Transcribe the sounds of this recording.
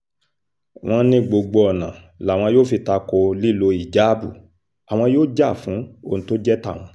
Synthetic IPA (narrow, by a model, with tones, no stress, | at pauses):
w̃ɔ̃˧˦nĩ˦ɡ͡bo˧ɡ͡bo˧ɔ˨nã˨ | la˨w̃ɔ̃˧joː˦fi˧ta˧ko˧li˦lo˧i˨d͡ʒa˨˦bu˦˨ | a˨w̃ɔ̃˧joː˦d͡ʒa˦˨fũ˨˦o˧˨ũ˧to˦d͡ʒɛ˦ta̰˦˨w̃ɔ̃˧